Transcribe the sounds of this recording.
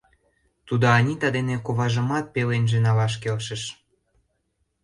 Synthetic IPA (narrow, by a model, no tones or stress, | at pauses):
t̪ud̪oɑnʲit̪ɑd̪enekoβɑʒə̆mɑt̪̚pelenʒenɑlɑʃ̬kelʃə̆ʃ